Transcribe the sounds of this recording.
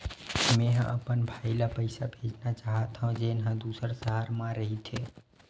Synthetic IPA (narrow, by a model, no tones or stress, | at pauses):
mɛ̃ːɦə̃ʔɐpənbʱaːilapəɪsabʱeːd͡ʒnat͡ʃaːɦat̪ɦũd͡ʒeːnɦãd̪uːsəɾsəɦaɾmãɾəɦit̪ʰeː